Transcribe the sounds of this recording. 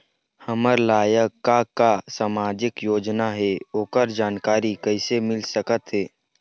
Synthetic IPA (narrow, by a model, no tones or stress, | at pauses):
həməɾlaːjəkːakːasaːmaːd͡ʒɪkjoːd͡ʒnaɦɛoːkəɾd͡ʒaːnkaːɾikəɪsemɪlsəkət̪ɦɛː